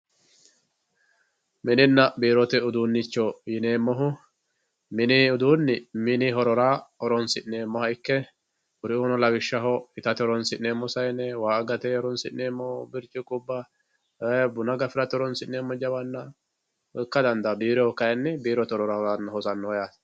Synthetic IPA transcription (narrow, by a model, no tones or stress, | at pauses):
mɪnɪnːɐbiːɾɔt̪ɛʊd̪uːnːɪt͡ʃːɔjɪne̞ːmːɔɦʊ | mɪnɪʊd̪uːnːɪmɪnɪɦɔɾɔɾaːɔɾɔnsɪʔneːmːɔhɐjɪkːɛ | ʊɾɪoːnɔlɐwɪʃːɐɦɔɪt̪ɐt̪ɛɔɾɔnsɪʔneːmːɔsɐjnɛwaːʔɐɡɐt̪ɛɔɾɔnsɪʔneːmːɔbɪɾt͡ʃʼːɪkʼʊbːɐ | ɛbʊnɐɡɐfɪɾɐt̪ɔɾɔnsɪnnːeːmːɔd͡ʒɐbɐnːɐ | ɔkːɐd̪ɐnd̪ɐbiːɾɔkɐjɐnːɪbiːɾɔt̪ɔɾɔɾaɐnːhɔsɐnːɔːjaːs